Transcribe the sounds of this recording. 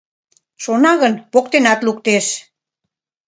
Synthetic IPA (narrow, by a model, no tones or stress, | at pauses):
ʃonɑɣənpokt̪enɑt̪lukt̪eʃ